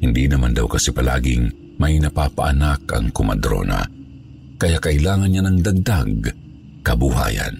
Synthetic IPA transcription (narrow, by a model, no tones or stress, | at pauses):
hɪnd̪inɐmand̪awkɐsɛpɐla̰ːɡɪŋ | mɐjnɐpapaʔanakɐ̰ŋkʊmɐd̪ɾo̰ːna̰ | kɐjakɐʔɪlaːŋɐnɲanɐŋd̪aɡ̚d̪aɡ | kɐbuha̰ːja̰n